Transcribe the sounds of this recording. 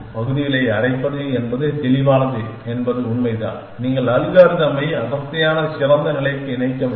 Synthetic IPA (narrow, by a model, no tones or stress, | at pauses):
pɐɣɯðɪjɪlɐɪɐrɐɪpːɐðɯɛnbɐðɯt̪ɛlɪʋaːnɐðɯɛnbɐðɯʊɳmɐɪða̰ː | niːŋɡɐɭɐlɣaːɾd̪ɐmɐjɐðɐt̪ːɐjaːnɐsɪrɐnd̪ɐnɪɭɐɪkːɯɪnɐɪkːɐ